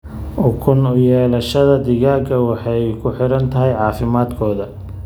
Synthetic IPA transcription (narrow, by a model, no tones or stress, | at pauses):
ʔɔkʰʊnʊjɛːlɐʃɐðɐd̪ɪɣaːɡʰɐwɑħɑjkʰʊħɪɾɐnt̪ʰɐɦɛjʕɑːfɪmaːd̪kʰɔːðɐ